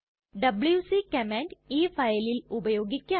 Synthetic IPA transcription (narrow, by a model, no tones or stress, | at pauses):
ɖəbljuːsiːkɛmɛ̃ːɳʈiːpʰaːelilʊbəjoːɡɪkːja